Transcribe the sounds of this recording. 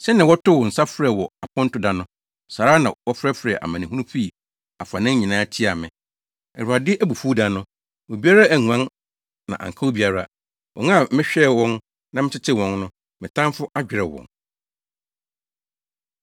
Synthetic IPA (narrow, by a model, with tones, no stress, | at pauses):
sɛ˦nã˨wɔ˦tʰʊ˦wɔ˨n̩˨sa˦fɾɛ˨wɔ˨a˨pʰɔ̃˦n̩˦tʊ˦dã˨nʊ̃˦ | saː˨ɾa˦nã˨wɔ˦fɾɛ˦fɾɛ˨ʔa̰˨mã˨nɪ̃˨ɦũ˦ũ˦pʰi˦˨ | a˨fa˨nɪ̃˦ɲĩ˨nãː˦tʰi˦a˨mɪ̃˨ | ɛ˨ɾʊ˨a˨dɪ˦ʔæ˦bu˨fu˦dã˨nʊ̃˦ | mʊ̃˨bi˦a˦ɾa˦æ˨ŋũ˨ã˦n | nã̰˨ʔa̰˨ŋ̩˨kʰa˦u˦bi˨˦a˨ɾa˦ | wɔ̰˨ŋã˦˨mɪ̃˦ɕᶣɛ˦˨wɔ̃˦n | nã˨mɪ̃˦t͡ɕʰɪ˦tʰɪ˦wɔ̃˨nnʊ̃˦ | mɪ̃˨tʰã˦m˦fʊ˦ʔa˦d͡ʑᶣɪ˨ɾɛ˨wɔ̰̃˨ŋ